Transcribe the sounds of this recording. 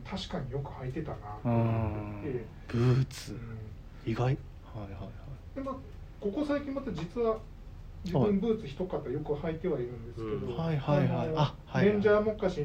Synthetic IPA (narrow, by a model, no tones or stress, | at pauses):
t̪ʰaɕi̥kaɲ̟ijo̞kɯ̟hait̪e̞t̪anat̪oet̪e̞ | b̥ɯːt͡sɨɯ̃ | iɡai | haia | ad̪ema | ko̞ko̞saikʲĩmːat̪ad͡ʑit͡sɨβa | d͡ʑibɯ̟̃mbɯ̟ːt͡sɨçʲi̥t̪o̞kat̪ːajo̞kɯ̟hait̪e̞βaiɾɯ̟̃nd̪e̞sɨ̥ke̞d̪o̞haihaiaahaẽ̞ɲd͡ʑamo̞kːaɕi